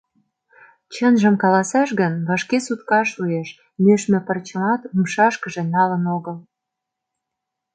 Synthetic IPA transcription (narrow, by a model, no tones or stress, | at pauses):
t͡ɕənʒəmkɑlɑsɑʃɣənβɑʃkesut̪kɑʃueʃ | møʃmĕpərt͡ɕə̆mɑt̪umʃɑʃkəʒĕnɑlənoɣəl